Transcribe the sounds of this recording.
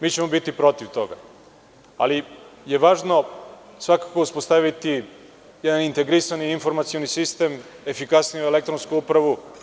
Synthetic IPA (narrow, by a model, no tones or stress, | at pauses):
miːt͡ɕemo̞bit̪ipɾo̞t̪iʋt̪o̞ɡa̰ | a̰lijeʋaːʒno̞sʋakakouspo̞st̪aʋit̪i | jɛd̪anint̪e̞ɡɾisaniːnfo̞ɾmat̪sio̞nisist̪e̞m | e̞fikasnijuelek̚t̪ɾonskuupɾaʋu